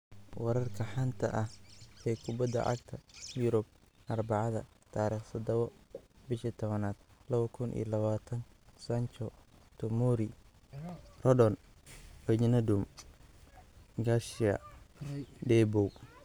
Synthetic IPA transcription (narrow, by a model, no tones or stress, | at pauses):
wɑɾɐrkʰɐħant̪ʰɐ̰ʔɐhɛːkʰʊbɐd̪ːɐ̰ʔɐ̰ɡt̪ʰɐjʊɾʊb̚ | ʔɐrbɑʕɑðɐ̰ | t̪ʰaːɾiːχsɐd̪ɐβɔbɪʃit̪ʰɔβɐnaːd̪̥lɐβɐkʰʊnʔḭjlɐβaːt̪ʰɐnsɐnt͡ʃɔt̪ʰʊmuɾi | rɔdɔn | wɛd͡ʒnɐd̪um | ɡaʃiɐ̰ | dɛbɔw